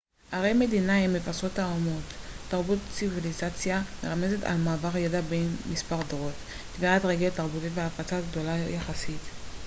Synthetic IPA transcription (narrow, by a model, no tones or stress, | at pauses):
haʁejme̞dinahimːevasotaomotːaʁbutt͡sivilizat͡sjameʁamezeta̰lmaːvaʁjadabenmispaʁdʁot | kiɡalatʁeɡetaʁbutitveafat͡saɡdo̞lajaχasit̪